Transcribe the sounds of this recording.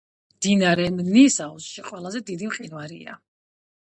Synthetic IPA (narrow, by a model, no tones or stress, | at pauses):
md̪̥inaɾɛmnisausʃiqʼwɛlˠazɛd̪id̪imqʼinvaɾia̰